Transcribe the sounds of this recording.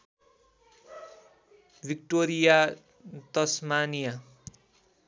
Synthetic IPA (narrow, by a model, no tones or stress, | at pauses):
bikʈoɾija | t̪ʌsmanija